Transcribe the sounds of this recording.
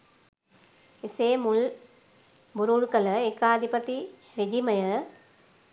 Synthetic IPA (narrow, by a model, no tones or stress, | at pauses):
iseːmuɭ | buɾuɻkɐlɐekːaːd̪ʱipɐt̪ːi | ɾid͡ʒimɐjɐ